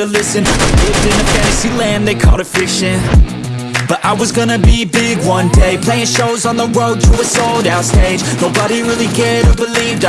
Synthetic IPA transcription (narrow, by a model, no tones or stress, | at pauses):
ɨlɪsɨ̃nlɪvdɨ̃nɨfæ̃nsilæ̃nðeɪkʰɔ̰ɾɨfɪkʃɨ̃n | b̥ʌɾʔaɪwʌzɡʌnɨbibɪɡwʌ̃ndeɪpʰl̥eɪɪ̃ŋʃoʊzn̩ðəɹoʊd̚tʰəɨsoʊlˠɾaʊtsteɪd͡ʒnoʊbəɾiɹɪlˠikʰɛɾɨbəlivd